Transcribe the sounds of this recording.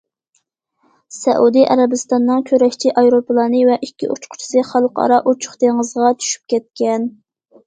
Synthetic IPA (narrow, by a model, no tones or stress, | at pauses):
sɛ̰ʔud̪ɨʔɑ̰ɾɛbɨst̪ɑnːɨŋkʲʰøɾɛʃt͡ʃʰiʔɑjɾoplˠɑːnɨvɛʔikʲːḭʔṵt͡ʃqʰʊ̥t͡ʃʰi̥sɨχɑlˠqʰɑ̰ɾɑʔut͡ʃʰʊ̥χt̪eŋəzʁɑt͡ʃ̪ʰy̥ʃy̥p̚kʲɛt̪̚kʲɛn